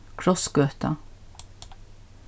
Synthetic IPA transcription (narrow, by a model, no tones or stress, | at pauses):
kʰɾɔsɡøːt̪ɑ̰